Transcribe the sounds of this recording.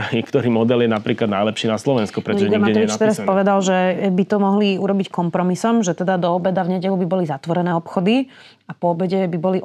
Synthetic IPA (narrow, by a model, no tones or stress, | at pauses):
ɲɛkt̪ɔɾiːmɔd̪ɛljɛnapɾiːklad̪najlɛpʃiːnaslɔʋɛnskupɾɛt̪ɔʒɛɲmaɛɔʋit͡ʃt̪ɛɾaspɔʋɛd̪alʒɛbit̪ɔmɔɦliuɾɔbickɔmpɾɔmisɔmʒɛt̪ɛd̪ad̪ɔːbɛd̪avɲɛɟɛlubibɔlizat̪ʋɔɾɛnɛːɔpxɔd̪i | apɔɔbɛɟɛbibɔli